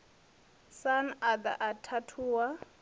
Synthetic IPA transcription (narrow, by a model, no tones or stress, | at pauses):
sanad̪a̰ʔatʰatʰuːwa